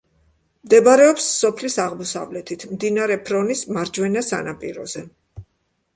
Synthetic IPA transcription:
md̪ɛbaɾɛɔpsːɔpʰlisaʁmɔsa̰vlɛt̪ʰit̪ʰmd̪inaɾɛpʰɾɔnismaɾd͡ʒwɛnasa̰napʼḭɾɔ̰zɛ

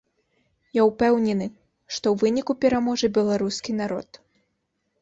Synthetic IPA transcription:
jawpɛwnʲɛnɨ | ʂt̪ɔwvɨnʲikupʲɛɾamɔʐɨbʲɛlˠaɾuskʲinaɾɔt̪

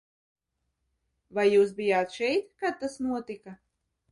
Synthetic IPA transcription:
vajːuːs̬bijaːt̪ʃɛjt̪kad̪̚ːasnuɔt̪ika

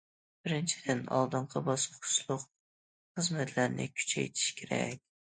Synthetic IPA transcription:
b̥ɪɾɪnt͡ʃʰid̪̥ɪnɑ̰lˠd̪ɨɴqʰɑbɑsχʊ̥ʃlˠʊq | χəzmɛt̪ʰlæɾnɪ̰kʲʰy̥t͡ʃʰɛ̰jt̪ʰi̥ʃkʲʰeɾɛ̰kʲ

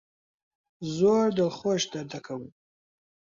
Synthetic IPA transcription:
zoɾd̪əlχoʃd̪ad̪akʰawu

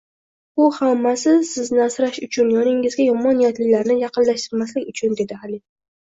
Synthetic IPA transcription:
ʊhamːasɪsɪznɪasɾaʃʊt͡ʃʰʊnjɒnɪŋɪzɡʲajɒmɒnijat̪lɪlaɾnɪjɑqɨnlaʃt̪ɪɾmaslɪkʲʊt͡ʃʰʊnd̪e̞d̪ɪalɪ

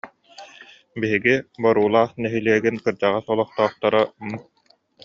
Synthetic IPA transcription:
biɦiɡibɔɾuːlˠaːχnɛɦiliɛɡinkɯɾd͡ʑaʁasɔlˠɔχt̪ɔːχt̪aɾam

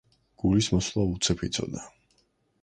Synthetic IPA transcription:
ɡ̥ulismɔslˠaut̪sʰɛpʰit̪sʰɔ̰d̪a

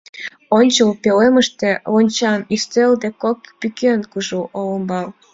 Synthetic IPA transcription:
onʲt͡ɕəlpeleməʃt̪eonʲt͡ɕɑnist͡seld̪ekokpykenkuʒuʔoləmbɑl

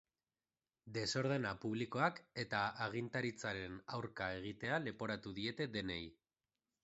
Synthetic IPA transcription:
d̪e̞so̞ɾðe̞napuβ̞liko̞ake̞t̪aaɣ̞int̪aɾit͡saɾe̞nawɾkae̞ɣ̞it̪e̞ale̞po̞ɾat̪uðie̞t̪e̞d̪e̞ne̞j

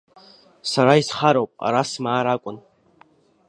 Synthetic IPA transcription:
saɾaisχaɾowpʼa̰ɾasmaːɾakʷʼʊn

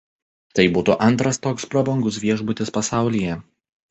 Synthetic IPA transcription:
t̪ɐɪbuːt̪uʔɐnˑt̪ɾɐst̪oːkspɾɔbɔŋɡʊsʋʲiɛʒbʊt̪ʲɪspɐsɑˑʊlʲiːjɛ

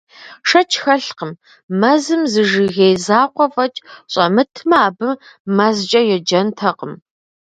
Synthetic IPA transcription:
ʂɐt͡ʃʰxɐɬqəm | mɐzɨmzɨʒɨɣejzaːqʷɔfɐt͡ʃʼɕʼɐmɨtʰmɐaːbɨmmɐzt͡ʃʼɐjɛd͡ʒɐntʰɐqəm

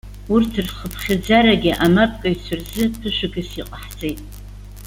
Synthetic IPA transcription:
urtʰɨrχəpʰχʲɪd͡zaɾaɡʲɪʔamapʼkʼaɥt͡sʷʰʊrzɨpʰɨʃʷᶣɪɡɨsiqʼaħd͡zʼejtʼ

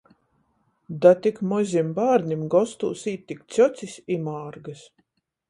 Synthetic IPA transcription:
d̪at̪ikmɔzʲimbaːɾnimɡɔst̪ṵːsiːt̪ːikt̪sʲɔt̪sʲisimaːɾɡas

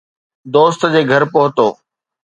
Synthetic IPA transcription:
d̪oːst̪d͡ʑeːɡʱɐɾpoɦʊt̪oː

